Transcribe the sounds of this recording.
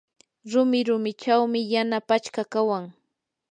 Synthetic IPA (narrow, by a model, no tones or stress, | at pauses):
ɾʊmɪɾʊmɪt͡ʃawmɪjanapat͡ʃkakawaŋ